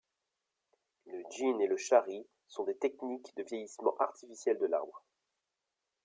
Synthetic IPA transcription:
ləʒineləʃaʁi | sɔ̃d̪et̪ɛknikd̪əvjejismɑ̰̃ʔaʁt̪ifisjɛld̪əla̰ʁbʁə

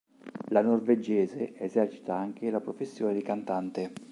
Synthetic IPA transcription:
lanorved͡ʒɛːzeʔezɛrt͡ʃi̥t̪aaŋk̟elapɾofesːjoɔːned̪ikant̪ant̪e

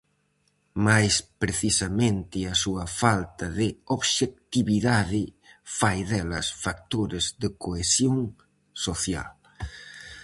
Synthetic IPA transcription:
majspɾeθisɐmẽnt̪ɪɐsuɐfalt̪ɐðɪoβʃek̚t̪iβiðaðɪfajðɛlɐ̰sfak̚t̪oɾɪzðɪkoesjoŋ | soθja̰l

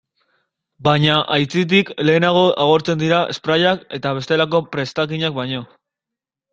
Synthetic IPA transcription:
bajɲaʔajt͡sit̪̬ikle̞ːnaɣ̞o̞ʔaɣ̞o̞ɾt͡se̞nd̪iɾaʔespɾaʎake̞t̪aβ̞e̞st̪e̞lako̞pɾe̞st̪akiɲak̚baɲo̞

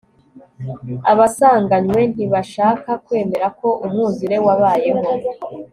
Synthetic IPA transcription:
aβasaːŋɡaɲwe̞n̥iβaʃaːkakwe̞ːme̞ɾako̞ʔumuːziɾe̞waβaːjemo

